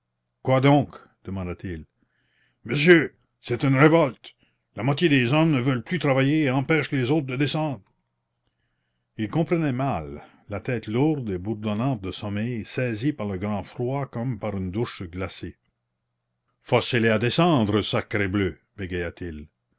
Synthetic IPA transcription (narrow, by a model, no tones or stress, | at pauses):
kwad̪ɔ̃ːk | d̪̥əmɑ̃d̪at̪il | məsjø | sɛt̪ynʁevɔlt̪ | lamwat̪jed̪ezɔmnəvœlplyt̪ɾavajeːɑ̃pɛʃlezoːt̪ʁd̪əd̪esɑ̃ːd̪ʁ | ilkɔ̃pɾənɛmalː | at̪ɛt̪luʁd̪ebuʁd̪ɔnɑ̃ːt̪̚d̪əsɔmɛjsɛzipaʁləɡɾɑ̃frwakɔmpaʁynd̪uʃɡlase | fɔselead̪esɑ̃d̪ʁəsakɾeblø | b̥eɡejat̪il